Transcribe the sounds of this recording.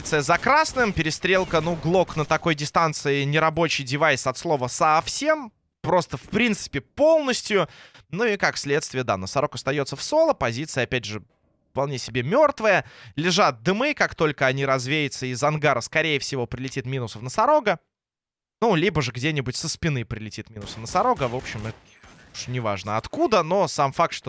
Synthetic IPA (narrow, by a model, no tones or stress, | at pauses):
t̪sɨjəzɐkɾasnɨmpʲɪɾʲɪst̪ɾʲe̞lˠkənuɡlˠo̞knət̪ɐko̞jdʲɪst̪ant̪sɨɪnʲɪɾɐbo̞t͡ɕɪjdʲɪvajsɐt̪slˠo̞vəsɐfsʲe̞m | pɾo̞st̪əfpɾʲint̪sɨ̥pʲɪpo̞lˠnəsʲtʲjʊ | nuikakfsʲlʲe̞t̪st̪vʲɪjəd̪a̰nəsɐɾo̞kɐst̪ɐjot̪səfso̞lˠəpɐzʲit̪sɨjəɐpʲædʲʐɨ | fpɐlˠnʲesʲɪbʲemʲo̞rt̪vəjəlʲɪʐat̪̚d̪ɨmɨkakt̪o̞lʲkəɐnʲiɾɐzvʲejɪt̪səizɐnɡaɾəskɐɾʲejəfsʲɪvo̞pɾʲɪlʲɪtʲit̪mʲinʊsəfnəsɐɾo̞ɡə | nulʲibəʐɨɡdʲenʲɪbʊtʲsəspʲɪnɨpɾʲɪlʲɪtʲit̪mʲinʊsənəsɐɾo̞ɡəvo̞pɕɪmɛt̪ə | uʂnʲɪva̰ʐnəɐt̪kud̪əno̞samfak̚t̪ʂt̪o